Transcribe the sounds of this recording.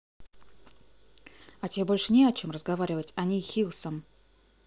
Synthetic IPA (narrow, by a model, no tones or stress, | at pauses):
atʲebolʲʂɨnʲeɐt͡ɕomrəzɡɐvaɾʲɪvətʲanʲixʲilˠsəm